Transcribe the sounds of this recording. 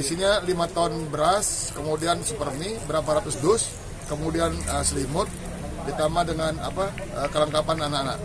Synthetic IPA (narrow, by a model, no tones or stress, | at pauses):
isiɲalimat̪aʊnbəɾas | kəmudiansəpərmibəɾapaɾap̪ʊsdʊs | kəmudianəsəlimʊt̪̚ | dit̪amadəŋana̰pa | əkələŋkapananana̰ʔ